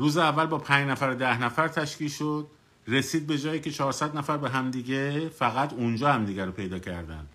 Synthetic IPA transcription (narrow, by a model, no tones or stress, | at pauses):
ɾuːzeævːælbɒːpʰæɲd͡ʒnæfæɾed̪æhnæfæɾt̪ʰæʃciːʃod̪̥̚ | re̞siːd̪̚be̞d͡ʒɒːjiːcʰe̞t͡ʃʰɒːɾsæd̪næfæɾbeɦæmd̪iːɟe̞fæɣæt̪ʰund͡ʒɒːhæmd̪iːɡæɾopʰe̞jd̪ɒːcʰæ̰ɾd̪æ̰nd̪̥